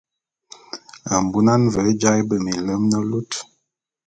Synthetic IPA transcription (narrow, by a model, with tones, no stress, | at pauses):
a˨m˨bu˦na˦nvɛ˨˦d͡ʒa˦jbə˨mi˨lə˦mnə˦lu˦t